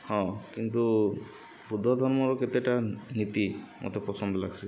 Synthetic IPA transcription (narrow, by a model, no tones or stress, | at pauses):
hɔ̃kint̪u | bud̪ʱːɔd̪ʱɔɹmɔɹɔkɛt̪ɛʈanit̪imʔɔ̰t̪ɛpɹɔsɔnd̪ʱɔlaɡsi